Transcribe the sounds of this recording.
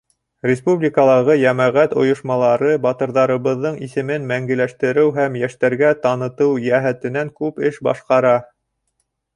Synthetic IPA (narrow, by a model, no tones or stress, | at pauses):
rʲɪspublʲikəlˠɑʁɤjæmæʁæt̪ŏ̰jŏʃmɑlˠɑɾɤbɑt̪ɤ̆ɾðɑɾɤ̆βɤ̆ðːɤɴisɘ̆mɘnmæŋɡɘ̆læʃt̪ɘ̆ɾɘwɦæmjæʃt̪æɾɡæt̪ɑnɤ̆t̪ɤwjæɦæt̪ɘ̆næŋkʉpɘʃbɑ̰ʃqɑɾɑ